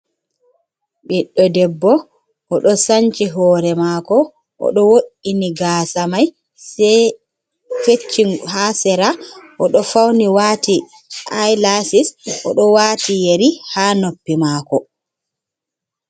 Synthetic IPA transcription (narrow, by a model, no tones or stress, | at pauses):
ɓiɗɔdɛbːɔ | ʔɔɗɔsaɲt͡ʃiɦɔːɾɛmaːkɔ | ʔɔ̰ɗɔwoɗiniɡaːsamaj | sɛ | fet͡ʃːiŋhasɛɾaʔɔɗɔfawniwaːti | ʔajlasisʔɔɗɔwaːtijeɾihaːnopːimaːkɔ